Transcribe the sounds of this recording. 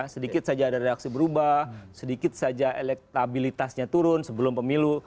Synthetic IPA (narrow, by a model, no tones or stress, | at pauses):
sədikɪt̪̚sad͡ʒaːdaɾeak̚sibəɾubahsədikɪt̪̚sad͡ʒaʔelɛk̚t̪abilit̪asɲat̪uɾʊnsəbəlʊmpəmilu